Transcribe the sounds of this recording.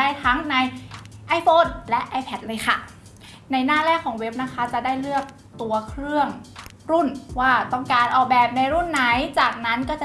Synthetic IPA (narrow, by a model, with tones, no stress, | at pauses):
a˥˩jt̪ʰa˦˥ŋna˧jʔa˧jfʰoː˧˥nlɛ˦˥ʔaː˧jpʰɛ˨˦˥t̪̚lɤː˧jxʰa˥˩ | na˧jnaː˥˩lɛː˥˩kʰːɔː˩˦ŋwe˦˥p̚na˦˥kʰa˦˥t͡ɕa˨˩daː˥˩jlɯ˥˩ək̚ | t̪u˧ɐkʰɾɯ˥˩əŋ | ɾu˥˩nwaː˥˩t̪ɔ˥˩ŋkaː˧nʔɔː˨k̚bɛː˨˩p̚na˧jɾu˥˩nːa˦˥jt͡ɕaː˨˩k̚na˦˥nkɔː˥˩t͡ɕa˨˩